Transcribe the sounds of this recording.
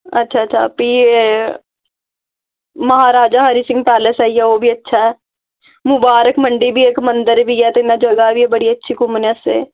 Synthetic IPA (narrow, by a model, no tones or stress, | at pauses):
ɐtːʃʰaɐtːʃʰa̰piː | mɐɦaːɾaːd͡ʒaɦɐɾisɪ̃ŋɡ̚pɛːləsɦɛijɛʋobʱiɐtːʃʰaɦɛː | mʊbaːɾəkmɐ̃ɳɖibʱieːkmɐ̃nd̪əɾbʱiɛt̪oɪnad͡ʒɐɡaɦɛbʱiɛbɐɽiɐtːʃʰikʊmnəsɦɛ̰ː